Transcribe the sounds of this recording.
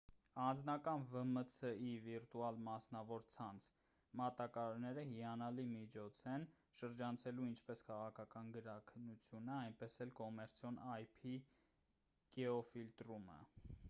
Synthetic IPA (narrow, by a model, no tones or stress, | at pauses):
ɑnd͡znɑkɑnvəmət͡sʰəiviɾt̪uɑlmɑsnɑvɔɾt͡sʰɑnt͡sʰ | mɑt̪ɑkɑɾɑɾnɛɾəɦiɑnɑlimit͡ʃʰɔt͡sʰɛn | ʃəɾd͡ʒɑnt͡sʰɛluint͡ʃʰpɛskʰɑʁɑkʰɑkɑnɡəɾɑkʰənːut͡sʰjunəɑjnpɛsɛlkɔmɛɾt͡sʰjɔnɑjpʰi | ɡ̥ɛɔfilt̪ɾumə̰